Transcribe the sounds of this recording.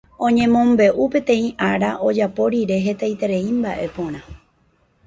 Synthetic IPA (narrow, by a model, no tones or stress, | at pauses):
õ̞ɲẽ̞mõ̞mbe̞ʔupẽ̞t̪ẽ̞ĩʔaɾaʔod͡ʒapo̞ɾiɾe̞ɦe̞t̪ajt̪e̞ɾe̞imbaʔe̞põ̞ɾ̃ã